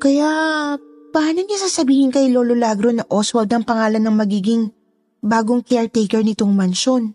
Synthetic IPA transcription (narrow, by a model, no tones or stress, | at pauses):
kɐjaʔ | pɐaːnɐnasaːsɐbiːhɪnkɐjlo̞ːlo̞laːɡɾonɐʔoswɐd̪ɐŋpɐŋaːlɐnːɐŋmɐɡiːɡɪŋ | baːɡoŋkɛɹt̪ejkɛɹnɪt̪o̞ŋmɐnʃo̞n